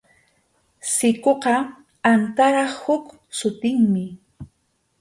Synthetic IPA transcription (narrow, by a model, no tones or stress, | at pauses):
sɪkoqɑ | ant̪aɾɑχhʊk | sʊt̪ɪŋmɪ